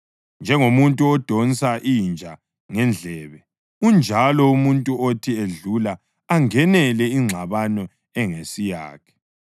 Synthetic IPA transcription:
nd͡ʒʱɛŋomuntʼuɔd̥ʱonsaʔind͡ʒʱa | ŋɛnd͡ɮʱɛβɛ | und͡ʒʱalɔumuntʼuotʰieɮulaː | ŋɛnɛlɛiŋ͡ǁʱaβanɔ | ɛŋesija̰ːkʰɛ̥

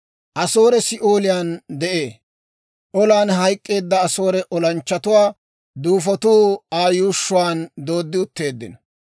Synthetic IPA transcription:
ʔɐso̞ːɾɛsɪʔoːlɪjaːnd̪ɛʔe̞ː | ʔɔlaːnɦɐjkʼːe̞ːd̪ːɐːso̞ːɾɛʔɔlɐnt͡ʃːɐt̪ʊwaː | d̪uːfɔt̪uːaːjuːʃːʊwaːnd̪o̞ːd̪ːɪʊt̪ːe̞ːd̪ːɪ̰nɔ

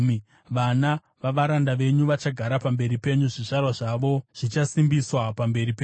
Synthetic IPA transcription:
ʋana | ʋaʋaɾandaʋe̞ɲuʋat͡ʃaɡʱaɾapambe̞ɾipe̞ɲuʐiʐarwaʐaʋo̞ʐ̥it͡ʃasimbiswapambe̞ɾipeːɲu

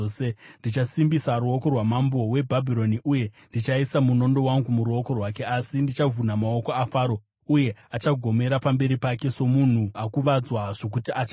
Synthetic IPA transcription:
sendit͡ʃasimbisaɾuo̞ko̞rwamambo̞we̞bʱabʱiɾo̞niʔuje̞ndit͡ʃaisamuno̞ndo̞waŋɡumuɾuo̞ko̞rwake̞asindit͡ʃavʱunamaoko̞afaːɾo̞ | uje̞at͡ʃaɡʱo̞me̞ɾapambe̞ɾipake̞so̞mun̤uakuʋad͡zwaʐ̥ok̬utiʔat͡ʃa

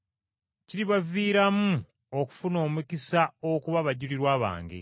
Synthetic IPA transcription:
ciɾiβaviːɾamu | oku̥funo̞ːmukisaokuβaβaɟuliɾwaːβa̰ːŋɡḛ

